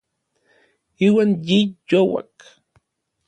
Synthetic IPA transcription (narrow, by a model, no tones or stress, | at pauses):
iːwaːnjijowa̰k